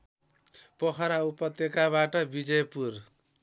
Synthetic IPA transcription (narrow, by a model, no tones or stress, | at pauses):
pʌkʰʌɾaupʌt̪jekaβaʈʌbid͡zʌjpur